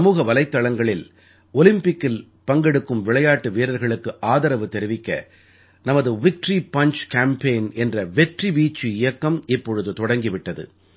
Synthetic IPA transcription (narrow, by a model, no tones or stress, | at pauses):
ɐmuːɣɐʋɐlɐɪt̪ːɐɭɐŋɡɐɭɪl | ɔlɪmpɪkːɪl | pɐŋɡɛɽɯkːɯmʋɪɭɐjaːʈːɯʋeːɾɐɾɣɐɭɯkːɯʔaːðɐɾɐʋɯt̪ɛɾɯʋɪkːɐ̰ | nɐmɐðɯʋɪk̚ʈripɐɲt͡ʃkaːmpeɪnɛndrɐʋɛʈribiːt͡ʃːiɪjɐkːɐmɪpːɔɻɯðɯt̪ɔɽɐŋɡɪʋɪʈːɐðɯ̰